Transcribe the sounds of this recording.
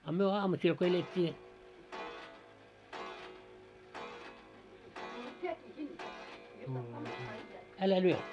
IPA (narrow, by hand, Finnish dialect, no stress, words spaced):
ɑ myø ɑːmusiːl ko eletʲːi ælæ lyø